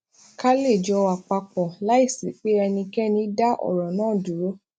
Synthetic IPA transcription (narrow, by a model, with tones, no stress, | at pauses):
ka˦le˦˨d͡ʒɔ˧wa˨k͡pa˧k͡pɔ˨la˦i˦˨si˨k͡pe˨˦ɛ˧nĩ˧kɛ˦nĩ˧˦da˦ʔɔ̰˦˨ɾɔ˨nãː˦˨du˨ɾo˦